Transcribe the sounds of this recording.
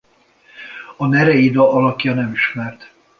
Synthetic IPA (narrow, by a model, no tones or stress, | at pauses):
ɒnɛɾɛid̪ɒɒlɒkjɒnɛmiʃmɛrt̪